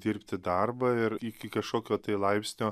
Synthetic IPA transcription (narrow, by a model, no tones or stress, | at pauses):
d̪ʲɪɾʲpʲt̪ʲɪd̪ɐrbɐɪɾɪkʲɪkɐʃkoːkʲoːt̪ɐɪlˠɐɪpʲsʲnʲoː